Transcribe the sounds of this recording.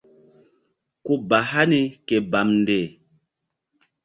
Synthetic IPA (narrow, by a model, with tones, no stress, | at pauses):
ku˦ba˨ɦa˦ni˦ke˨ba˨mn̩˦de˨